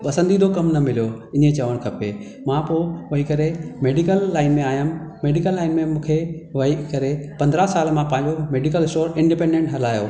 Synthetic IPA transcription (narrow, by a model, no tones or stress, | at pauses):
ɓɐsə̃nd̪id̪ʰʱokɐmnɐmɪlijoɪ̃ɲet͡ɕɐʋəɽ̃kʰɐpe | mãpoːʋɐɦikɐɾemeːɖikəlːaːɪnmẽaːjəmmeːɖikəlːaːɪnmẽmũːkʰeʋɐɦikɐɾepɐ̃nd̪ɾasaːlmãpãːɲd͡ʑomeːɖɪkəlɪsʈoːɾɪ̃ɳɖɪpẽːɳɖẽɳʈɦɐlaːjo̰ː